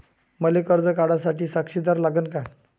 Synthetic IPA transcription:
məlekəɾd͡zəkaɽasaʈiːsakʂid̪aɾlaɡənka

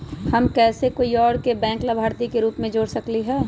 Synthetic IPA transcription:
həmkɛːsekoːiɔːɾkebɛ̃ːŋklɐbʱaːɾt̪ikeɾuːpmẽd͡ʒoːɽsɐkliɦɛː

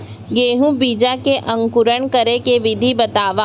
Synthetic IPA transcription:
ɡeːɦũbiːd͡ʒakeʔɐ̃ŋkʊɾəɳ̃kəɾekeʋɪd̪ʱibɐt̪aːʋa

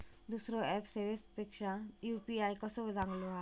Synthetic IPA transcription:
d̪uːsɾoɛːpseʋespɪkʃajuːpiaːikɐsoʋd̪ʱãːŋɡloɦa

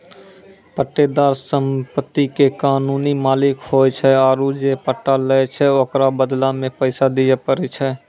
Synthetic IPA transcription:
pəʈːed̪aːɾsəmpət̪ːikekaːnuːnimaːlɪkhoːjt͡ʃʰɛaːɾud͡ʒepəʈːaləet͡ʃʰɛokɾabəd̪lamẽpəɪsad̪ɪjapəɾet͡ʃʰɛ

